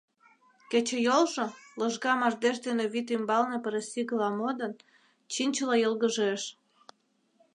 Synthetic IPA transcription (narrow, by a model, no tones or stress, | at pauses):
kĕt͡ɕĕjolʒŏlɤ̆ʒɣɑmɑʒd̪eʃd̪eneβit̪ymbɑlne̽pəɾesiɣə̆lɑmod̪ə̆n | t͡ɕinʲt͡ɕəlɑjəlɣəʒeʃ